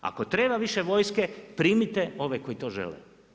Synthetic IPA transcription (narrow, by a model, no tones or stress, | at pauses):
a̰ko̞t̪ɾeːbaʋiʃeʋo̞jskepɾiːmit̪eo̞ʋeko̞it̪o̞ːʒḛlḛ